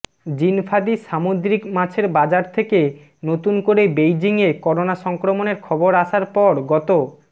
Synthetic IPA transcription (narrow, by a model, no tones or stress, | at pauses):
d͡ʑinfʰad̪iʃamod̪ɾikmãt͡ɕʰeɾbad͡ʑaɾt̪ʰeke | not̪unkoɾebejd͡ʑiŋekɔɾonaʃɔŋkɾomoneɾkʰɔboɾaʃaɾpɔɾɡɔt̪o